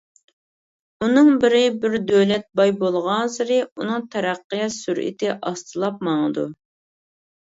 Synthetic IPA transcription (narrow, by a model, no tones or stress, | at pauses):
unɨŋbɪɾɪbɪɾd̪øwlɛt̪̚bɑjbolˠʁɑnsɨɾɨunɨŋt̪ʰɛɾæqːəjɑsyɾʔḭt̪ʰɪʔɑst̪ʰɨlˠɑp̚mɑŋəd̪u